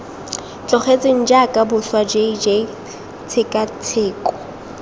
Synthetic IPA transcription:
t͡ɬʼɔχet͡sʼeŋ̩d͡ʒakʼabʊswad͡ʒeid͡ʒe | t͡sʰɪkʼat͡sʰeːkʼɔ̥

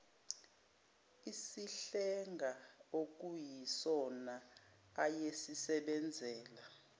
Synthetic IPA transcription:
isiɬɛŋɡʱaok̬ujisɔnaː | jesisɛɓɛnd͡zʱɛːla

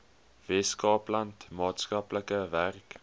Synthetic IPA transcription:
vɛskɑːplɐntmɑːtskɐpləkəværk

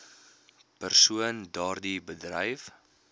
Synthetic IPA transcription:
pərsuəndɑːrdibədrəjf

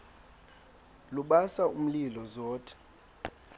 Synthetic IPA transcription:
luɓasaum̩lilɔzɔːtʰʼɛ̥

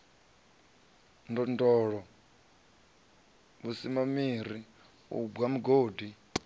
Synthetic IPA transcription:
ndɔndɔɺɔ | βusimamiɾi | ṵɡwamuɡoːdi

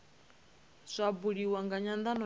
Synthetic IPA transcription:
z̥ʷabuɺiwaŋɡaɲand̪anɔ

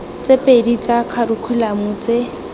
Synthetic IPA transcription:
t͡sʼepʼedit͡sakʰarukʰulamʊːt͡se

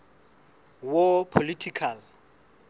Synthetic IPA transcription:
wopʰolitʰikʰal

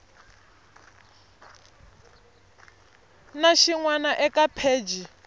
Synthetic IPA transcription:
naʃiŋwanaʔɛkʼapʰeːd͡ʒi

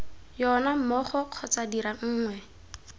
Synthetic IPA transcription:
jɔnam̩mɔχɔq͡χʰɔt͡sadiɾaŋ̩ːŋwɛ

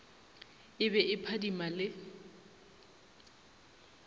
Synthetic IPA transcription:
ɪbɛʔɪpʰadimalɪ

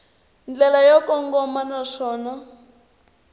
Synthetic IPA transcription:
nd͡ɮɛlajɔkɔŋɡɔmanaʂɔːna

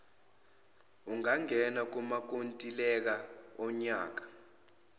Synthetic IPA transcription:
uŋaŋʱɛnak̬umak̬ontʼilɛk̬aɔɲaːk̬ḁ

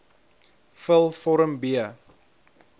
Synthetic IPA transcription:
fəlˠfɔɾəmbiə

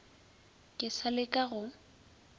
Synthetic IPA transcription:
kʼɪsalɪkʼaɣʊ

